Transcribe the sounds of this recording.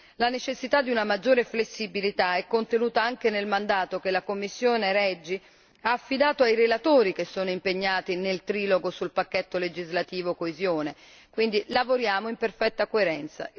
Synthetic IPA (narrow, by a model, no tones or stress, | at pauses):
lanet͡ʃesːit̪ad̪ːiunamad͡ʒːoːɾeflesːibilit̪aɛkːont̪enuːt̪aaŋk̟enelmand̪aːt̪okelakomːisːjoːneɾɛd͡ʒːi | aːfːid̪aːt̪oajɾelat̪oːɾik̟esːoːnoimpeɲːaːt̪inelt̪ɾiːloɡosulpakːɛt̪ːoled͡ʒizlat̪iːvokoezjoːne | kwind̪ilavoɾjaːmoimperfɛt̪ːakoeɾɛnt̪sa̰